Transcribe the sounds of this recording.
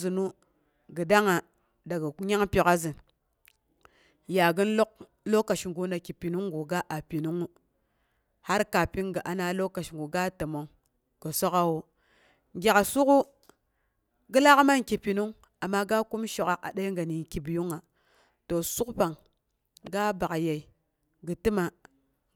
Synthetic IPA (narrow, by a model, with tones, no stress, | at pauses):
i˨nu˦ | ɡə˨da˦ŋa˨ | da˨ɡa˨˦ɲa˦ŋpi˨ka˦zi˨n | ja˨ɡə˦n˦lo˦k̚ | lo˦ka˨ʃŋɡu˦na˨ki˨pi˨nu˦ŋɡu˨ɡa˦ʔa˨pi˨nu˦ŋu˦ | ha˦ɾka˨pi˦ŋɡa˨ʔa˨na˦lo˦ka˨ʃŋɡu˨ɡa˦ta˨ma˦ | ɡ̥a˨so˦ka˦wo˦ | ŋɡʲa˨ka˨su˦ku˦ | ɡə˦la˦ka˦ma˦ŋki˨pi˨nu˦ŋ | a˨mːa˦ɡa˦ku˦mʃo˨ka˦ka̰˨da˦i˦ŋɡa˨ni˨n˨ki˨bju˦ŋa˨ | to˨su˦kpa˨ŋ | ɡa˦ba˨ka˨ja˨i˨ | ɡə˨ti˦ma˦